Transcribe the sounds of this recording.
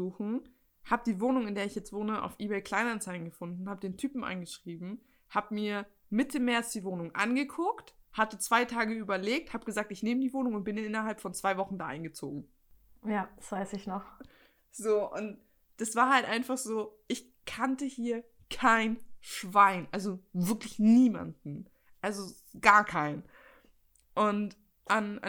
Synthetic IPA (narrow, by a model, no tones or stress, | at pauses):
uːxn̩ | haːbəd̥iːvoːnʊŋɪndeːɐɪçjɛt͡stv̥oːnəʔa̰ʊfʔiːbɛːlkʰl̥aɪnant͡saɪln̩ɡəfʊndn̩haːbədeːntʰyːpm̩ʔa̰ɪnɡəʃʁ̥iːbm̩ | haːbəmiːɐ | mɪtəmɛɐt͡sd̥iːvoːnʊŋʔa̰nɡəkʰʊkthatət͡sv̥aɪtʰaːɡəyːbɐleːk̚thaːbəɡ̥əzaːk̚tɪçneːmədiːvoːnʊŋʊnt̚b̥ɪnɪnʔɪnɐɦalpfɔnt͡sv̥aɪvɔχn̩daːʔa̰ɪnɡət͡so̰ːɡŋ̩ | jaːd̥asv̥aɪsɪçnɔχ | z̥oːʔʊnt | d̥asv̥aːɐhaltʔaɪnfaχz̥oːʔɪç | kʰantəhiːɐ | kʰaɪnʃv̥aɪnʔalzovɪɐklɪçniːma̰ndn̩ | ʔalzo | ɡaːɐkʰaɪn | ʔʊnt | ʔana̰